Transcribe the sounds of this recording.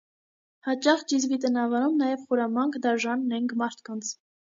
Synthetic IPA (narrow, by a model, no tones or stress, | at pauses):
hɑt͡ʃɑχd͡ʒizvit̪̬ənɑvɑɾumnɑjɛvχuɾɑmɑŋkʰd̪ɑʒɑnːɛŋkʰmɑɾt̪ʰkɑnt͡sʰ